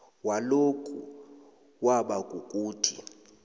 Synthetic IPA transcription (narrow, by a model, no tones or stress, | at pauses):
walokʼu | waɓakʼukʼuːtʰi